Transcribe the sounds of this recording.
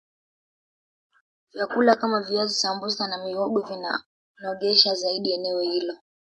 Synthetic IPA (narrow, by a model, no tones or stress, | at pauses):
vjakulakamaviazisambusanamiɔɡɔvina̰ | nɔɠɛʃazaiɗiɛnɛɔhilɔ